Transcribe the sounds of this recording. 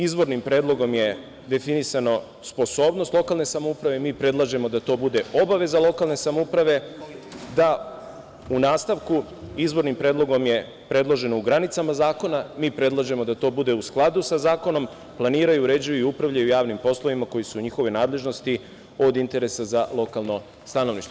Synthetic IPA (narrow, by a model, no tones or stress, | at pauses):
izbo̞ɾnimpɾe̞ːd̪lˠo̞ɡo̞mje̞ | d̪e̞finisano̞ | spo̞so̞ːbno̞st̪lˠo̞kalˠne̞samoupɾaʋe̞miːpɾe̞d̪lˠaʒe̞mo̞d̪at̪o̞ːbud̪e̞o̞baʋe̞zalˠo̞kalˠne̞samoupɾaʋe̞ | d̪a | unaːst̪aʋku | izbo̞ɾnimpɾed̪lˠo̞ɡo̞mje̞ | pɾe̞d̪lˠo̞ʒe̞nouɡɾanit̪samazaːko̞namiːpɾe̞d̪lˠaʒe̞mo̞d̪at̪o̞ːbud̪e̞usklˠad̪usazaːko̞no̞m | plˠaniːɾajuːɾe̞d͡ʑujuiupɾaʋʎajujaːʋnimpo̞slˠoʋimako̞jisuɲixo̞ʋo̞jnaːd̪lˠe̞ʒno̞st̪i | o̞d̪int̪e̞ɾe̞sazalˠo̞kalˠno̞ | st̪ano̞ʋlniʃt̪